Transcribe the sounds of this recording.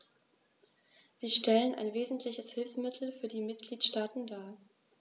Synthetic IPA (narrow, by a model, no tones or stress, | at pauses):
z̥iːʃtɛlənʔa̰ɪnveːzn̩tʰlɪçəshɪlfsmɪtʰl̩fyːɐdiːmɪt̚ɡ̥liːtʃtaːtn̩daː